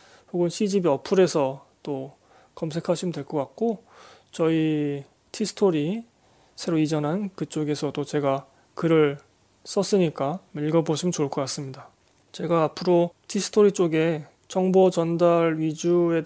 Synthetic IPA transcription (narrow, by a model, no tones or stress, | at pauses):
poɡunɕʰid͡ʑibiʌpʰuɾe̞sʰʌt͈o | kʌmsʰe̞kʰaɕʰimɯndwe̞ɭk͈ʌk͈ak̚k͈o | t͡ɕʌi | tʰisʰɯ̥tʰoɾi | sʰe̞ɾoid͡ʑʌnɦankɯt͡ɕ͈oɡe̞sʰʌt͈ot͡ɕe̞ɡa | kɯɾɯɭ | s͈ʌs͈ɯɲik͈amiʎɡʌboɕʰimɯnt͡ɕoɭk͈ʰʌk͈as͈ɯmɲida | t͡ɕe̞ɡaːpʰɯɾotʰisʰɯ̥tʰoɾit͡ɕ͈oɡe̞ | t͡ɕʌŋbʌt͡ɕʌndaɾɥid͡ʑue̞